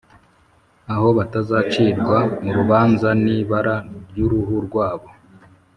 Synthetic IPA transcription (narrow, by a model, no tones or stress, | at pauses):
aho̞βatazaːt͡ʃiːɾɡwamuɾuβaːnzaniβaɾaɾjuɾuhuɾɡwaːβo̞